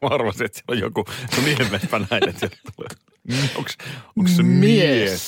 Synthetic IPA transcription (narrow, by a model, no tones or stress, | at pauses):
ɑrʋɑst̪iet̪sielːojjo̰kukuniemːespænæinet̪sielt̪t̪ulḛː | ioksoŋkssemies